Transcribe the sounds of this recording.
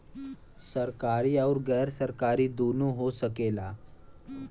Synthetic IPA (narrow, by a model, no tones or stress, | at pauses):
səɾkaɾiːawɾɡɛːɾsəɾkaɾiːd̪onuɦosəkela